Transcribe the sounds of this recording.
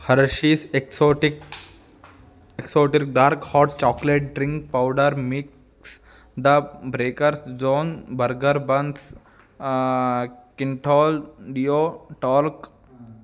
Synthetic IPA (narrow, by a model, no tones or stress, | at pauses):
hɐɾʃiseksoʈik | eksoːʈik̚ɖaːɾkhɔːʈ̚t͡ʃɔːkleʈ̚ɖɾɪ̃ŋk̚paʊɖəɾmik | s | d̪əbɾeːkəɾsd͡ʒõːnbəɾɡəɾbɐ̃ns | kɪ̃ɳʈʰɔːlɖijoʈɔːɾk